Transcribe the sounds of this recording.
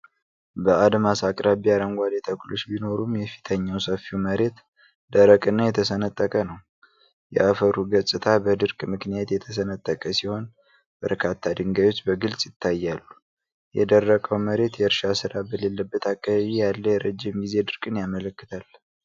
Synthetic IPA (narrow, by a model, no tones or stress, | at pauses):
bəad̪masakʼɾaβiaɾəŋɡʷad̪et̪ʰəklo̞t͡ʃːbino̞ɾumjɛfi̥t̪ʰəɲːawsəfiwməɾe̞t̪ | d̪əɾəkʼɨnːajɛt̪ʰəsənət̪ʼːəkʼənəw | jɛ̰ʔafəɾuɡəsʼɨt̪ʰabəd̪ɨɾkʼmɨknijat̪jɛt̪ʰəsənət̪ʼːəkʼəsiho̞n | b̥ə̰ɾkʰat̪ʰːad̪ɨŋɡajwo̞t͡ʃːbəɡɨlsʼjɪt̪ʰːajːalːu | jɛd̪ərːəkʼəwməɾe̞t̪jɛɨɾʃasɨɾabəle̞lːəbːət̪akʼːaβaβijalːəjɛɾəd͡ʒːɪmɡize̞d̪ɨɾkʼɨnjamələkːɨ̥t̪ʰal